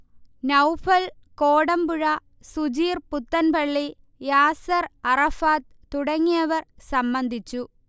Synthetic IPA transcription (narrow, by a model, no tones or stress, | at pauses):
nɐwfʰɐlkoːɽɐmbuɻɐ | sud͡ʑiːrput̪ːɐnpɐɭːi | jaːsɐrɐrɐfaːt̪ | t̪ːuɽɐŋːijɐʋɐrsɐmbɐnd̪ʱit͡ɕːu